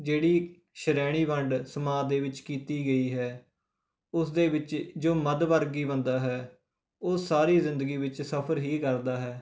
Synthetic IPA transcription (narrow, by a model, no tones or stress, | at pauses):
d͡ʒeːɽiː | ʃəɾɛːɽ̃iːʋəɳɖsəmaːd̪eːʋɪt͡ʃkiːt̪iːɡəiːɦɛː | ʊsd̪eːʋɪt͡ʃd͡ʒoːməd̪ʋəɾɡiːbənd̪aːɦɛː | ʊsaːɾiːzɪ̃nd̪əɡiːʋɪt͡ʃsəpʰəɾɦiːkəɾd̪aːɦɛː